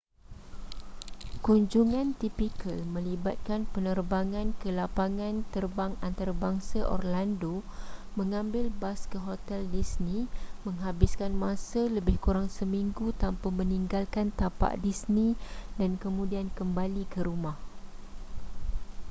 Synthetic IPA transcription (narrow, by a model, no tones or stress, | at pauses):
kuɲd͡ʒuŋãnt̪ipikəlmə̃libat̪̚kanpənərbaŋãnkəlapaŋãnt̪ərbaŋant̪aɾabaŋsaʔɔ̰rlandomə̃ŋãmbɪlbaskəɦot̪ɛldisnĩmə̃ŋɦabɪskanmãsaləbɪhkuɾaŋsəmĩŋɡut̪ampamə̃niŋɡalkant̪apa̰ʔdisnĩdankəmũdiankəmbalikəɾumah